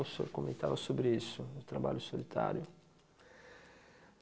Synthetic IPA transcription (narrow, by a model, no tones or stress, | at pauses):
uso̰ɾkomẽnt̪avasobɾɪisʊʊt̪ɾaba̰ʎʊsolit̪ʰa̰ɾjʊ